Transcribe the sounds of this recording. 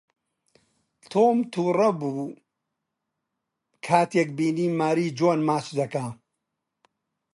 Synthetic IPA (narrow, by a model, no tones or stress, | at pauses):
t̪ʰoːmt̪ʰuːrɐbuː | kʰaːt̪jek̚biːniːmaːɾiːd͡ʒoːnmaːt͡ʃd̪ɐkaː